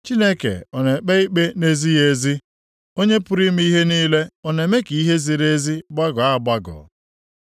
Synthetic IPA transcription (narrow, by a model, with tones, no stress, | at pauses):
t͡ʃi˦ne˦kḛ˨ɔ˨ne˨k͡pe˦i˦k͡pe˦ne˦zi˦je˨zi˦ | o˦ɲe˦pʊ˦ɾi˦m̩˦i˦ɦe˦niː˦le˦ɔ˨ne˨me˦ki˨i˦ɦe˦zi˨ɾe˦zi˦ɡ͡ba˦ɡɔ˨a˦˨ɡ͡ba˦ɡɔ̰˨